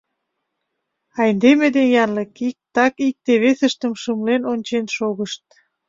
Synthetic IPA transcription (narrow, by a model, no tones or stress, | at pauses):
ɑjnd̪emed̪enjɑnlekik̚t̪ɑkik̚t̪eβesə̆ʃt̪ə̆mʃəmlenonʲt͡ɕenʃoɣəʃt̪̚